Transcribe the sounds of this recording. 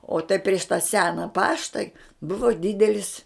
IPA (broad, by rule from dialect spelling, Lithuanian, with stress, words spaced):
oː tɐɪ pʲrʲiɛʃ tɐ ˈsʲæːnɐ ˈpɑːʃtɐ ˈbʊʋoː ˈdʲɪdʲɛlʲɪs